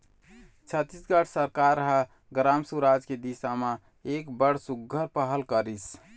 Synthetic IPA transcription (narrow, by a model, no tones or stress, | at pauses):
t͡ʃʰət̪ːisɡəʈʰsəɾkaɾːəɦə | ɡɾamsuɾad͡ʒked̪isamə | ekbəɽ̤suɡʱːəɾpəɦəlkəɾis